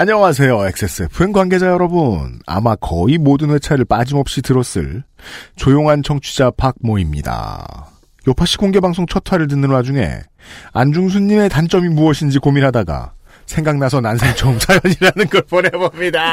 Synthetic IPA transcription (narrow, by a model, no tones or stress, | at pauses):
aɲʌŋas̬ʰe̞joe̞k̚s͈e̞s͈ɯpʰuenɡwanɡe̞d͡ʑajʌɾʌbuna̰makʌ̰imodɯnwe̞t͡ɕʰaɾɯɭpad͡ʑimʌp̚ɕ͈itɯɾʌs͈ɯ̰ɭt͡ɕojoŋɦant͡ɕʰʌŋt͡ɕʰud͡ʑapak̚moimɲḭda̰ | jopʰaɕ͈i̥koŋɡe̞baŋsʰoŋt͡ɕʰʌtʰwaɾɯɭt̬ɯnːɯnwad͡ʑuŋe̞̰ | a̰nd͡ʑuŋs̬ʰunːime̞tant͡ɕ͈ʌmimuʌɕʰind͡ʑikomiɦadaɡa̰ | sʰe̞ŋɡaŋ̚nasʰʌnans̬ʰeŋt͡ɕʰʌmsʰajoɲiɾanɯnkʌt̚p͈onebomɲida